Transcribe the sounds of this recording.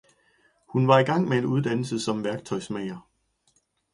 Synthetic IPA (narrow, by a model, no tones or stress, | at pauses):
hunʋɑ̈iɡ̥ɑ̈ŋ̰mee̝duð̞ˠd̥ænl̩səsɒ̽mʋæɐɡ̥t͡sʰɒ̽ɪsmeɪɐ